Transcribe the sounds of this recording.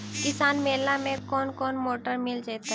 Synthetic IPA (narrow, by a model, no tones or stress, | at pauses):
kɪsaːnmeːlamẽkɔːnkɔːnmoːʈəɾmɪld͡ʒaːt̪aɦ